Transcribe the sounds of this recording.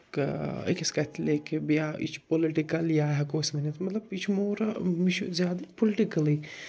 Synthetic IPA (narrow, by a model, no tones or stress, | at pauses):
kɐ̰kiskɐt̪ʰlikbjaḭt͡ʃʰpoliʈikɐljaɦɐkoːsmɐnɐt̪mɐt̪lɐbit͡ʃʰmoːɾmit͡ʃʰuzjaːd̪ɐpolɪʈikɐli